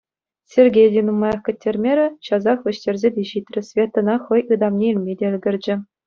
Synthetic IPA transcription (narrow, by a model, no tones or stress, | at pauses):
sʲerʲɡʲejdʲinumɑjɑχkʲɘ̆tʲːerʲmʲeɾʲɘ̆ɕɑzɑχʋʲɘ̆ɕtʲĕrʲzʲedʲeʑit̪ʲrʲɘ̆sʲvʲet̪ːɤ̆nɑχɤ̆jɯd̪ɑmnʲeilʲmʲedʲĕɘlʲɡʲɘ̆rʲd͡ʑɘ̆